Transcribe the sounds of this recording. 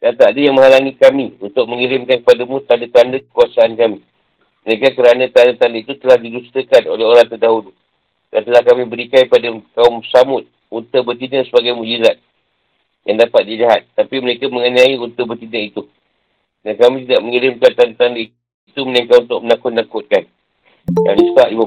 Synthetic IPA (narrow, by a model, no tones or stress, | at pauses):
d̥at̪aadəjaŋmə̃ɦalanĩkamiunt̪ʊk̚məŋiɾɪmkankəpadamũt̪andət̪andəkə̥kuasaʔankami | məɾekakəɾanə̃t̪andət̪andəit̪ut̪əlahdidust̪əkano̰leɦoɾaŋt̪ərdaɦulu | d̥ant̪əlahkamĩbəɾikajpadakaʊmsamʊt̪̚ | unt̪əbərt̪inəsəbaɡajmuʔd͡ʒizat̪̚ | jaŋdapat̪̚diliɦat̪̚ːapiməɾekaməŋənãiunt̪əbərt̪inəit̪u | dankamĩt̪̬idaʔ̚məŋiɾɪmkant̪andət̪andəi | it̪umənãŋkatunt̪ʊk̚mənakʊt̪̚nakʊt̪̚kan | ja̰ŋdisət̪aʔlimə